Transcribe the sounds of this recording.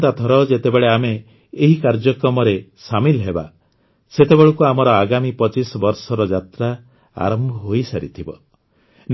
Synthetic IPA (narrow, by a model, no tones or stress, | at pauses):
t̪at̪ʰɔɾɔd͡ʒet̪ebeɭeameː | ɦikaɾd͡ʒɔkɾɔmɔɾesamilɦeba̰ | set̪ebeɭukuamɔɾɔaɡamipɔt͡ʃisɔbɔɾsɔɾɔd͡ʒat̪ɾa | a̰ɾɔmbʱɔɦojsaɾḭt̪ʰibɔ | n